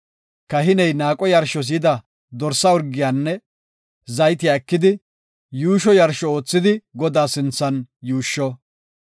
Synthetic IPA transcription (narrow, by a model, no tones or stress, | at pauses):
kɐɦɪnɛjnaːkʼɔjɐɾʃɔs̬iːd̪ɐ | d̪ɔɾsːɐɔɾɡɪjaːnːɛ | zɐjt̪ɪakːɪd̪ɪ | juːʃɔjɐɾʃɔoːt͡sːɪd̪ɪɡɔd̪aːsɪnt͡sːɐnjuːʃːɔ